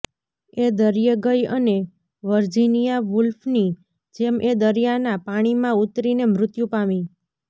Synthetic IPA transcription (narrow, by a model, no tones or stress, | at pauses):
ed̪əɾjəɡəjəne | ʋəɾd͡ʒinijaʋʊlfni | d͡ʒemʔed̪əɾjanapaɽ̃imãut̪ɾinemɾʊt̪jũpami